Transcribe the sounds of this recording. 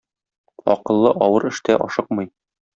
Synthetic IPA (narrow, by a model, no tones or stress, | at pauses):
ɒqɤ̆lˠːɤʔɒwɤɾɘ̆ʃt̪æʔɒ̰ʃɤq̚mɤj